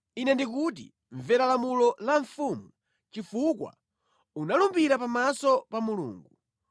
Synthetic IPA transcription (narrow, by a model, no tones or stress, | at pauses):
inɛndikut̬ḭ | ɱvɛɾalamulɔlaɱfumu | t͡ʃifukwa̰ | unalumbiɾapamasɔpamulṵːŋɡu